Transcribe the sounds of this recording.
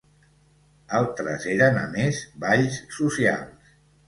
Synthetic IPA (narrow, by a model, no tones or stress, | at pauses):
alˠt̪ɾə̰zeɾənə̰mezβaʎsːusia̰lˠs